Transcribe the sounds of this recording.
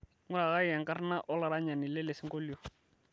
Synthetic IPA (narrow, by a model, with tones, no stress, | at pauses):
ŋʊ˦ɾa˨ka˦ja˨ŋka˦ɾna˦ʔɔ˦la˨ɾa˦ɲa˨ni˨le˦le˨si˦ŋko˦li˦o˨